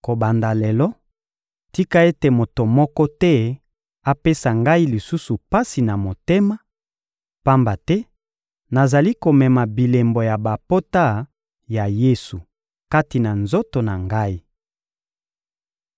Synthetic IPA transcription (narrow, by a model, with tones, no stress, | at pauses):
ko˨ba˨nda˨lɛ˨lɔ˦ | ti˦ka˦e˦te˨mo˨to˨mɔ˦kɔ˦tɛ˦ | a˦pe˦sa˨ŋɡa˦i˦li˨su˦su˨pa˦si˨na˨mo˨te˦ma˦ | pa˦mba˨tɛ˦ | na˨za˨li˦ko˨mɛ˨ma˨bi˨le˨mbo˨ja˨ba˨po˦ta˦ | ja˨je˦su˨ | ka˦ti˨na˨nzo˦to˨na˨ŋɡa˦i˦